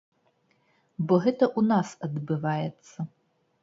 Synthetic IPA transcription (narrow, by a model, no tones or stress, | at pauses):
bɔɣɛt̪ɐʔunasɐd̪bɨvajɛt̪sːɐ